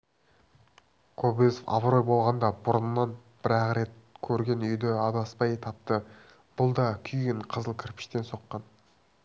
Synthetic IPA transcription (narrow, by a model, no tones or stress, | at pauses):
kʰobizofɑ̰bɾo̞jbo̞lˠʁɑnd̪ɑbʊɾənnːɑnb̥ɪɾɑqɾe̞t̪̚kʲʰɵɾɡʲe̞nʏjd̪ɪɑd̪ɑspɑjt̪ʰɑp̚t̪ə | b̥ʊlˠd̪ɑkʲʰʏjɡʲɪɴqʰəzəlˠkʲʰɪɾpɪ̥ʃt̪e̞nso̞qːɑn